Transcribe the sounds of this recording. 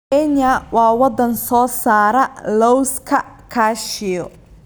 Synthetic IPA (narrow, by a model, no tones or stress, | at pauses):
ɛɲɐwɑːwɑd̪ɐnsɔːsaːɾɐlɔwskʰɐ | kʰaːʃɪjɔ